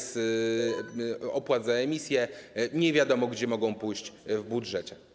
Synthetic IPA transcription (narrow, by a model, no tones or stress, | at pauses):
s | ɔpwad̪zaɛmʲisʲjɛɲɛvʲjad̪ɔmɔɡd͡ʑɛmɔɡɔ̃w̃pujɕt͡ɕvbudʐɛt͡ɕɛ